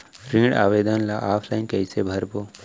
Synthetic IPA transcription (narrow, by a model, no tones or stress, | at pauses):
ɾĩːɽa̰ːʋeːd̪ənlaʔaːpʰlainkɐsebʱɐɾboː